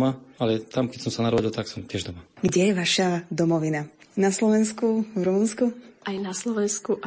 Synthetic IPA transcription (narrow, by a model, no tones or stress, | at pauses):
maalɛt̪amkɛcsɔmsanaɾɔɟilt̪aksɔmt̪ʲɪɛʒd̪ɔmaɡɟɛjɛʋaʃad̪ɔmɔʋinanaslɔʋɛnskuvɾumunskuʔajnaslɔʋɛnskuʔ